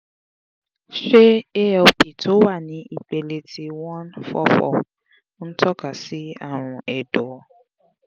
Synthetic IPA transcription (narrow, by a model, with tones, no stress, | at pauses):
ʃe˦e˦˨o˨pi˨tʰo˦wa˦˨nĩ˨˦ʔi˦˨k͡pe˨le˨tʰi˧wɔ̃˦nfɔ˦fɔ̰˦˨˦ | n̩˦tʰɔ˦ka˨si˦a˦˨ɾ̃ʊ̃˨ɛ˨dɔ˨ɔ˨